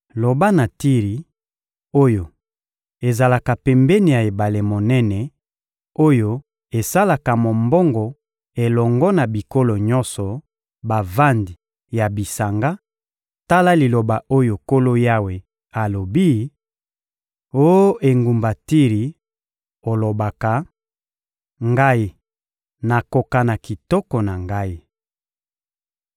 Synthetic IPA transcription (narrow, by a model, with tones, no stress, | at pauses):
lo˨ba˦na˨ti˦ʁi˨ | o˦jo˨ | e˨za˨la˨ka˨pɛ˨mbɛ˦ni˨ja˨e˨ba˨le˨mo˨nɛ˦nɛ˨ | o˦jo˦ | e˨sa˦la˨ka˨mo˨mbɔ˦ŋɡɔ˨ | e˨lɔ˨ŋɡɔ˦na˨bi˨ko˦lo˨ɲɔ˦nsɔ˨ | ba˨va˦ndi˨ | ja˨bi˨sa˨ŋɡa˦ | ta˦la˦li˨lo˨ba˨o˦jo˨ko˦lo˦ja˦we˨ | a˨lo˨bi˦ | o˦o˦ʔe˨ŋɡu˨mba˨ti˦ʁi˨ | o˨lo˨ba˨ka˨ | ŋɡa˦i˦ | na˨ko˨ka˨na˨ki˨tɔ˦kɔ˨na˨ŋɡa˦i˦